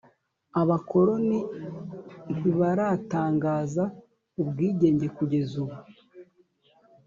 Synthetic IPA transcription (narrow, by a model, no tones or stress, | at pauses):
aβako̞ɾo̞ni | niβaɾataːŋɡaːza | ubɡiːɟe̞ːɲɟe̞kuɟe̞zuβu